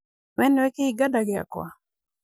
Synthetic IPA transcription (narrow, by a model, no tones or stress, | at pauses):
mɛnwɛkeiɡadaɡɪa̰kwa̰